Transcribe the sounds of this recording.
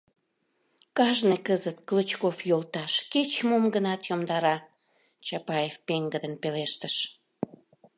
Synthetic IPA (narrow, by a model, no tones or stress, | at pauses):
kɑʒnekəzət̪klət͡ɕkofjolt̪ɑʃket͡ɕmomɡənɑt̪jomd̪ɑɾɑ | t͡ɕɑpɑjefpeŋɡəd̪ənpeleʃt̪əʃ